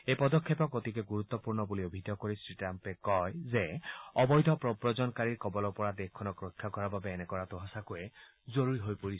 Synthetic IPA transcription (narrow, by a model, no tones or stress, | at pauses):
ejpɔd̪ɔkʰːɔpɔkot̪ikɛɡuɹut̪ːɔpuɹnɔbuliobʱidʱɔkoɹisɹitampɛkɔjzeɔbɔjdʱɔpɹɔpɹɔzɔnkaɹiɹkɔbɔlɔpɔɹadexkʰːɔnɔkɹokʰːakɔɹababɛːnɛkɔɹatɔɦasakuɛ | zoɹuɹiɦojpoɹis